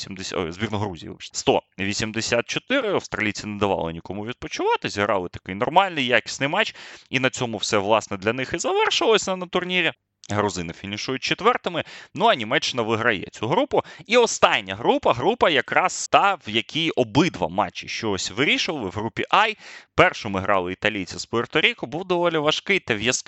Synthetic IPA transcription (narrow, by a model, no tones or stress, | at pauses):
sʲimd̪esʲzʲbʲirnɔɦɾuzʲḭjḭʃst̪ɔ̰ʋʲisʲimd̪esʲat̪̚t͡ʃɔt̪ɪɾɪɐwst̪ɾɐlʲit͡sʲɪnɛd̪ɐʋɑ̰lˠɪ̰nʲikɔmʊʋʲid̪̚pɔt͡ʃʊʋɑt̪ɪzʲiɦɾɑ̰lˠɪt̪ɐ̥kɪjnɔrmɑlʲnɪjjakʲɪ̥sʲnɪjmɑt͡ʃinɐt͡sʲɔmʊwsɛʋlˠɑsnɛd̪lʲɐnɪxizɐʋɛrʃʊʋɐlˠɔsʲɐnɐnɐt̪ʊrnʲiɾʲi | ɦɾʊzɪnɪfʲinʲiʃɔjʊt̚ʲt͡ʃet̪ʋɛrt̪ɪmɪnuɐnʲimɛt͡ʃːɪnɐʋɪɦɾɐjɛ̰t͡sʲuɦɾupʊiɔst̪ɑnʲːɐɦɾupɐɦɾupɐjɐkɾɑst̪ɑʋjɐkʲijɔbɪd̪ʋɐ̰mɑ̰t͡ʃːɪʃt͡ʃɔɔsʲʋɪɾʲiʃɪʋɐlˠɪwɦɾupʲːiʔɑjpɛrʃɔmɪɦɾɑ̰lˠɪit̪ɐlʲijt͡sʲɐspɔert̪ɔɾʲikʊbuwd̪ɔʋɔlʲiʋɐʃkɪjt̪ɛʋjɐsk